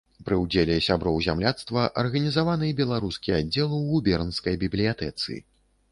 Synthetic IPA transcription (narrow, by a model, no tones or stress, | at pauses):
pɾɨwd͡zʲelʲɛsʲabɾɔwzʲamlʲat̪st̪vɐʔɐrɣɐnʲizavanɨjɛbʲɛlˠaɾuskʲiadd͡zʲːɛlˠɨwɣubʲɛrnskɐjbʲiblʲijat̪ɛt̪sɨ̰ḭ